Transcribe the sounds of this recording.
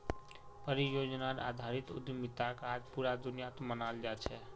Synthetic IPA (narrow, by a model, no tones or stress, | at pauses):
pəɾijod͡ʒnaɾa̰d̪ʱaɾit̪ṵd̪mit̪akad͡ʒpuɾad̪unijat̪omənald͡ʒat͡ʃʰɛ